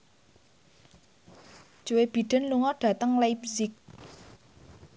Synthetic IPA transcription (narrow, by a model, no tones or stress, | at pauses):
d̥ʒ̥uweb̥i̤ɖ̪̥ə̤nluŋɔɖ̥ä̤t̪əŋlajp̚zɪk̚